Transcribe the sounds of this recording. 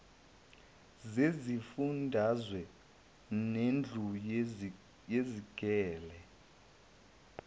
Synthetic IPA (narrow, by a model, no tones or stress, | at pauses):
zezifundʱazwɛ | nend͡ɮʱuj | jeziɡ̥ʱɛːlɛ